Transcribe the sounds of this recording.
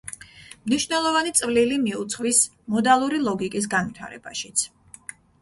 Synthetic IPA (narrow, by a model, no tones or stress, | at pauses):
mniʃvnɛlˠɔvanit̪sʼvlilimiut̪sʰχvis | mɔd̪alˠuɾilˠɔɡikʼis̬ɡanvit̪ʰa̰ɾɛ̰b̥aʃi̥t̪sʰ